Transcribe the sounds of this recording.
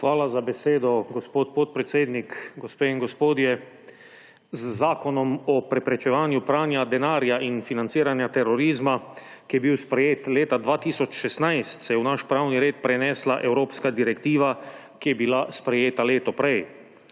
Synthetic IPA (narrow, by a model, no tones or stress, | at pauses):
xʋaːlazabɛseːd̪ɔɡospoːt̪̚poːt̪̚pɾɛt̪seːd̪nikɡɔspeːiŋɡɔspoːd̪jɛ | zːaːkɔnɔmɔpɾɛpɾɛt͡ʃɛʋaːnjupɾaːnjad̪ɛnaːɾjaʔinfinant̪siːɾanjat̪ɛɾɔɾiːzma | kijɛbiwspɾɛjeːt̪leːt̪ad̪ʋaːt̪iːsɔt͡ʃʃɛsnajst̪sɛjɛwnaʃpɾawniɾeːt̪̚pɾɛnɛːslaʔɛwɾoːpskad̪iɾɛkt̪iːʋa | kijɛbilaspɾɛjeːt̪aleːt̪ɔpɾɛj